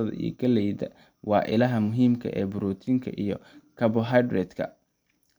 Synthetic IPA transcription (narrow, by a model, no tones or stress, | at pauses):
ɐðɐ̰ʔḭjɔ̰ɡʰɐlɛjðɐ | wɑːʔɪlɐɦɐmʊɦiːmkʰɐ̰ʔɛːbʊɾuːt̪ʰiŋkʰɐ̰ʔijɔkʰɐbɔɦajd̪rɛd̪kʰɐ̰